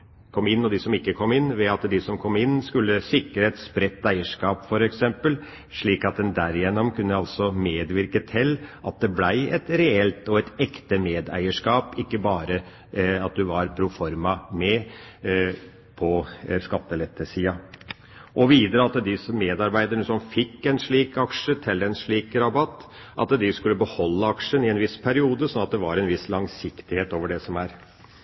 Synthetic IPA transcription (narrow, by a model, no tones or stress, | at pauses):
kʰɔmːɪnːɔd̪ɪsɔmɪkːəkʰɔmːɪnːʋɛɑt̪d̪ɪsɔmkʰɔmːɪnːskʉlːəsɪkːəɾəɛt̪spɾɛt̪ːæɪəʂkɑːpfɔɾɛksɛmpəl | ʂɭiːkɑt̪̚d̪ɛnd̪æɾɪjɛnːɔmkʰʉnːəɑlsɔmeːd̪ʋɪɾkət̪ʰɪlːʔɑt̪̚d̪ɛblæɪɛt̪ɾɛɛlt̪ɔɛt̪ɛkt̪əmeːd̪æ̰ɪəʂkɑːpɪkːəbɑːɾə | ɑt̪̚d̪ʉʋɑɾpʰɾʊfɔɾmɑmɛ | pʰɔskɑt̪ːəlɛt̪ːəsiːɑ | ʔɔʋiːd̪əɾəɑt̪ːəd̪ɪsɔmeːd̪ɑɾbæɪd̪əɳəsɔmfɪkːɛnʂɭiːkɑkʂət̪ʰɪlːɛnʂɭiːkɾɑbɑt̪ː | ʔɑ̰t̪d̪ɪskʉlːəbəhɔlːəɑkʂənɪɛnʋɪspʰæɾɪuːd̪əsɔnɑt̪̚d̪ɛʋɑɾɛnʋɪslɑŋsɪkt̪ɪheːt̪oːʋəɖɛsɔmæɾ